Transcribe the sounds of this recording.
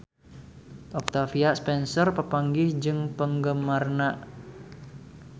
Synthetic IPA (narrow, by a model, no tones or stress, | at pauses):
ʔɔk̚t̪afiaspɛnsɔrpəpaŋɡɪhd͡ʒɨŋpəŋɡəmarnaʔ